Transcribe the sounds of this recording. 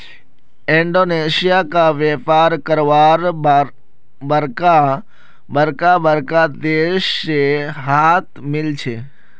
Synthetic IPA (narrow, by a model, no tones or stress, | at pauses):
ɪ̃ɳɖoneʃijakaʋepaɾkəɾʋaɾ | bəɾka | bəɾkabəɾkad̪eʃeɦat̪mɪlt͡ʃʰe